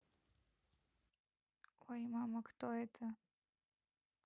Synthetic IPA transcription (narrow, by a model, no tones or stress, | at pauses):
wajmamɐkt̪ɔɛt̪ʰɐ